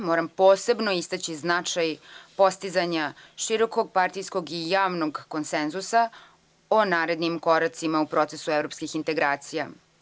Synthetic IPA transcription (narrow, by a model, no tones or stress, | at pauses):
moːɾampoːse̞bnoist̪at͡ɕiznat͡ʂajpo̞st̪izaɲaʃiɾo̞ko̞ɡ̚paɾt̪ijsko̞ɡijaːʋnoɡko̞nsenzusa | onaːɾe̞d̪nimko̞ɾat̪simaupɾo̞t̪se̞suevɾopskixint̪e̞ɡɾaːt̪sija